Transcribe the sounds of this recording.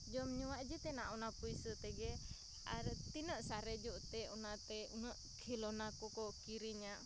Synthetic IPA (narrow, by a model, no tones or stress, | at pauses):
d͡ʒɔmɲuwaʔd͡ʒit̪ɛnaʔunapuisət̪ɛɡɛ | a̰ɾət̪inəʔsaɾɛd͡ʒuʔt̪ɛunat̪ɛunəʔkʰilɔnakukɔkiɾiɲaʔ